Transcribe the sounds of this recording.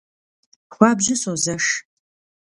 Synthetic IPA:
xʷɑːbʑɪsozɐʂ

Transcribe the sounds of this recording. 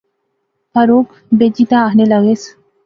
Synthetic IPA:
pəɾok | bed͡ʑit̪aːɦnelaɡes

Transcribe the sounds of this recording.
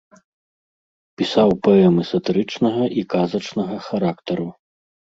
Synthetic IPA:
pʲisawpɐɛmɨsɐt̪ɨɾɨt͡ʂnɐɣɐʔikazɐt͡ʂnɐɣɐxaɾakt̪ɐɾu

